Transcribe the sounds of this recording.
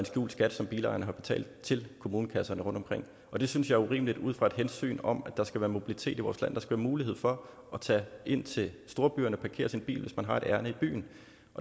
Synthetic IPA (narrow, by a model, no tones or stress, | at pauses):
ensɡ̥jṵːl̥sɡ̥æd̥sɒ̽mb̥iːlɑ̰̈ɪɐnəɦɑ̈b̥e̝̥t͡sʰɛ̰ːld̥̚t͡sʰe̝lkʰo̝muːnəkʰæsɐnəʁɔ̽nd̥ɒ̽mkʁeŋ̰ | ɒ̽d̥e̝synsjɑ̈ɪɐuʁḭːmlid̥uð̞̰ˠfʁɑ̈ed̥ɦensy̰ːnɒ̽mæd̥ɑ̈sɡ̥æʋæːɐmo̝b̥ilit͡sʰe̝̰ːdiʋɒ̰ːslæn̰d̥ɑsɡ̥æʋæːɐmuːlihe̝ð̰ˠfɒ̽ | ʔɒt͡sʰɛ̰ʔe̝n̰t͡sʰe̝lsd̥o̝ːɐb̥y̰ːɐnəɒpʰɑ̈kʰe̝̰ːɐsinb̥ḭːlʋe̝smænɦɑ̈e̝ɾ̥æɐnəib̥y̰ːn̩ | ʔɒ